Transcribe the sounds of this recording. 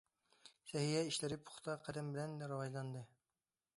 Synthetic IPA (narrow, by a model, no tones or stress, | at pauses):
sɛɦijɛiʃlɪɾɪpʰʊ̥χt̪ʰɑqʰæd̪ɛmbɪlɛnɾɑwɑʒlˠɑnd̪ɨ